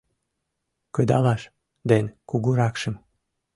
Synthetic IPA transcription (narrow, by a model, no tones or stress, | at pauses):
kəd̪ɑlɑʃ | d̪enkuɣuɾɑkʃəm